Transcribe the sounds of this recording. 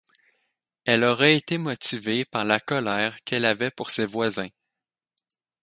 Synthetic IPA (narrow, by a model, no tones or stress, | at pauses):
ɛlɔʁɛet̪emɔt̪ivepaʁlakɔlɛːʁkʰɛlavɛpuʁsevwazɛ̃